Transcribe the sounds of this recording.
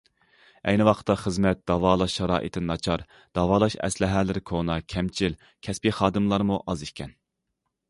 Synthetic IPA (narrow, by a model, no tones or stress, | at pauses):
ɛ̰jnɨwɑqʰt̪ʰːɑχəzmɛt̪̚d̪̥ɑwɑːlˠɑʃːɑɾɑ̰ːʔḭt̪ʰɪnɑt͡ʃʰɑɾ | d̪̥ɑwɑːlˠɑʃɛ̰slɪɦæːlɪɾɪkʰonɑkʲʰɛmt͡ʃʰil | kʲʰɛspiχɑːd̪ɨmlˠɑɾmuʔɑziʃkʲʰɛn